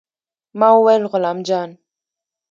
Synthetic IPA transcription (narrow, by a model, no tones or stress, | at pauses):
mawɛlɣʊlamd͡ʒan